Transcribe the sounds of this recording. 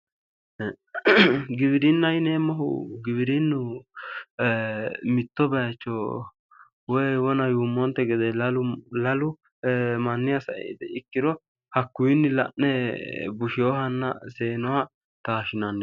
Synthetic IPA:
ɡɪbɪɾɪnːɐjɪneːmːɔɦʊ̰ɡɪbɪɾɪnːʊ | mɪt̪ːɔbɛjɐt͡ʃːɔ | wɔjwɔnɐjuːmːɔnt̪ːɛɡɛd̪ɛlɐlʊlɐlʊ | mɐnːɪjɐsɐ̰ʔɛ̰d̪ɛɪkːɪɾɔ | hɐkːʊjɪnːɪlɐ̰ʔːɛbʊʃɪjɔhɐnːɐ̰seːnɔɐ | t̪aːʃɪnɐnː

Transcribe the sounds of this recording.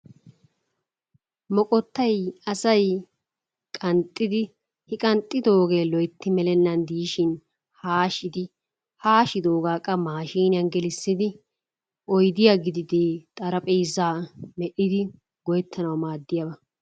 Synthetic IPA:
mɔkʼɔt̪ːɐjɐsɐj | kʼɐnt̪ʼːɪd̪ɪ | hɪkʼɐnt̪ʼːɪd̪o̞ːɡeːlɔjt̪ːɪmɛlɛnːɐnd̪iːʃɪn | haːʃɪd̪ɪ | haːʃɪd̪oːɡaːkʼːɐmaːʃiːnɪjɐnɡɛlɪsːɪd̪ɪ | ʔɔjd̪ɪjaɡɪd̪ɪd̪eːt̪ʼɐɾɐpʼɛjzːaːmɛʔɪd̪ɪ | ɡɔjɛt̪ʰːɐnɐwmaːd̪ːɪjɐbɐ

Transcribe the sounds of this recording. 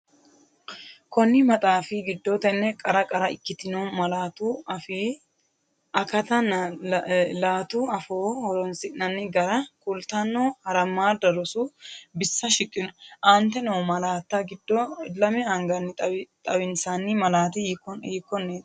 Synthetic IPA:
kɔnːɪmɐt̪ʼaːfɪɡɪd̪ːɔt̪ɛnːɛkʼɐɾɐkʼɐɾɐɪ̰kːɪt̪ɪnɔmɐlaːt̪uɐfiː | ʔɐkɐt̪ɐn | laːt̪uɐfoːhɔɾɔnsɪʔnɐnːɪɡɐɾɐkʼʊlt̪anːoːhɐɾɐmːaːd̪ɐɾɔsʊbɪsːɐʃɪkʼːɪnɔʔɐnt̪ɛnɛwmɐlaːt̪ːɐɡɪd̪ːɔlɐmɛɐŋɡɐnːɪt̪ʼɐwɪnsanːɪmɐlaːt̪ɪiːkːɔnːeːt̪

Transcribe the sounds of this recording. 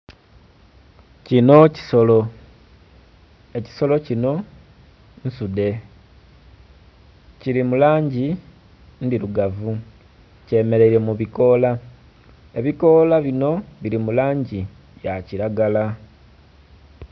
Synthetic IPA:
cino̞cisolo | eci̥so̞lo̞cino̞ | n̩sude̞ | ciɾimulaːɲɟi | ndiɾuɡavu | ce̞ːme̞ɾe̞iɾe̞muβiko̞la | e̞βiko̞laβino̞βiɾimulaːɲɟi | jaciɾaɡala

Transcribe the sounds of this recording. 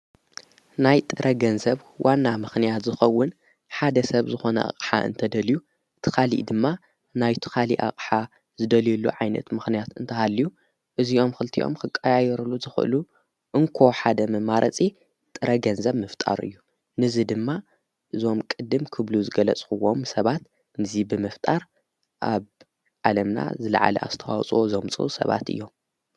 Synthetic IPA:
najt̪ʼɨɾʔɐɡɐnzɐβ | wʔanːamɨxnijat̪zɨxɐwːʊn | ħad̪ɐsɐβzɨxo̞nɐ̰ʔa̰kʼħa̰ʔɨ̰nt̪ʰɐd̪ɐlju | t̪ʰɨkʰalḭʔd̪ɨmːa | najt̪ʰɨ̥kʰalḭʔa̰qʼħa | zɨd̪ɐljulːṵʕajnɐ̰t̪mɨxnijat̪ɨnt̪ʰɐhalːiju | ʔɨziʔo̞mxɨlt̪ʰḭʔo̞̰mkʰɨkʼːajajɛɾulːuzɨxɨʔɨ̰lu | ʔɨŋkʰo̞ħad̪ɐmɨmaɾʔɐt͡sʼi | t̪ʼɨɾɐɡɐnzɐβmɨft̪ʼa̰ɾɨ̰jːu | nɨzɨd̪ɨmːa | ʔɨzo̞mkʼɨd̪ːɨmkʰɨβluzɨɡɐlɐt͡sʼkɨwːomsɐβat̪ | nɨzibɨmɨft̪ʼaɾ | ʔa̰β | ʕalɐmna̰zɨlɐ̰ʕa̰lɐ̰ʔa̰zɨt̪ʰɐwa̰wt͡sʼwo̞zomt͡sʼɨ̰ʔusɐ̰βa̰t̪ɨ̰jːo̞m

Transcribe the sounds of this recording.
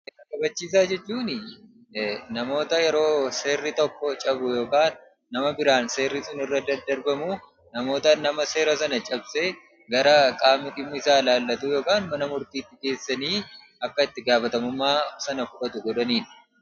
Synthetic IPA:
ʔɛɐkɐbɐt͡ʃːiːs̬aːd͡ʒɛt͡ʃːuːnɪ | nɐmo̞ːt̪ɐjɛɾo̞ːse̞ːrːɪt̪ɔkːɔt͡ʃʼɐbʊjo̞ːkaːnː | ɐmɐbɪɾaːnse̞ːrːɪsʊnɪrːɐd̪ɐd̪ɐɾbɐmuː | nɐmo̞ːt̪ɐnːɐmɐse̞ːɾɐsɐnɐt͡ʃʼɐbse | ɡɐɾɐkʼaːmɪᶑɪmːʊɪsaːlaːlːɐt̪uːjo̞ːkaːnmɐnɐmʊɾt̪iːt̪ːɪke̞ːsːɐniː | ɐkːɐɪt̪ːɪɡaːfɐt̪ɐmʊmːaːsɐnɐfʊᶑɐt̪ʊɡɔᶑɐniːn

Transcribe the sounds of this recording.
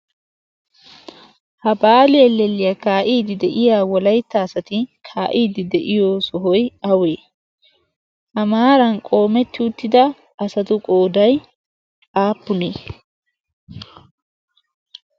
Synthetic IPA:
hɐbaːlɪɛlːɛlːɪjɐkaːʔiːd̪ɪd̪ɛʔɪjaːwɔlɐjt̪ːaːsɐt̪ɪkʰaːʔiːd̪ɪd̪ɛʔɪjoːsɔɦɔjɐweː | ʔɐmaːɾɐnkʼo̞ːmɛt̪ːɪʊt̪ːɪd̪ɐ | ɐsɐt̪ʊkʼo̞ːd̪ɐj | aːpːʊneː

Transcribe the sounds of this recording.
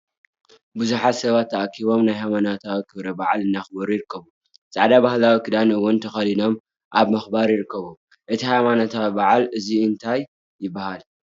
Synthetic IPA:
buzuħat̪sɐβat̪ʰːɐʔakʰiβo̞mnajɦajmanot̪ʰawikʰɨβɾɐbaʕalɨnːaxbɐɾujɪɾɨkːɐβu | t͡sʼaʕd̪abahlawikʰɨd̪anɐwʊnt̪ʰɐxɐlino̞m | ʔaβmɐxbaɾjɪɾɨkʰːɐβu | ʔɨt̪ʰihajmanot̪ʰawibaʕalɨziɨnt̪ʰajː | ɪbːahal

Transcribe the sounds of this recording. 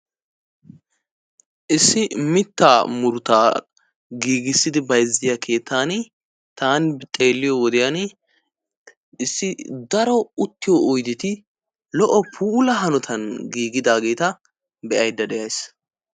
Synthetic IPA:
ʔɪsːɪmɪt̪ːaːmʊɾʊt̪aː | ɡiːɡɪsːɪd̪ɪbɐjzːɪjɐkʰe̞ːt̪ʰːaːn | t̪aːnt̪ʼe̞ːlːɪjɔwɔd̪ɪjan | ɪsːɪd̪ɐɾɔʊt̪ːɪjɔɔjd̪ɪt̪ɪ | lɔʔɔpʰuːlɐɦɐnɔt̪ʰɐnɡiːɡɪd̪aːɡe̞ːt̪ɐ | bɛʔɐjd̪ːɐd̪ɛjɐjs

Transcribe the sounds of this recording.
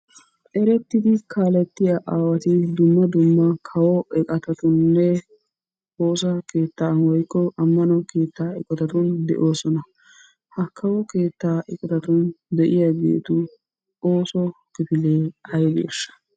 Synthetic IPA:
ʔɛɾɛt̪ːɪd̪ɪkʰaːlɛt̪ːɪjɐʔaːwɐt̪ɪd̪ʊmːɐd̪ʊmːɐkʰɐwɔɛkʼɐt̪ɐt̪ʊnːɛ | ho̞ːs̬ɐke̞ːt̪ːaːnwɔjkːɔʔɐmːɐnɔke̞ːt̪ːaːɪkʼɔt̪ɐt̪ʊnd̪ɛ̰ʔo̞ːsɔnɐ | hɐkʰɐwɔke̞ːt̪ːaːʔɛkʼɔt̪ɐt̪ʊnd̪ɛʔɪjɐɡḛːt̪ʊ | o̞ːsɔ | kɪpɪleːɐjɡḛːʃːɐ̥

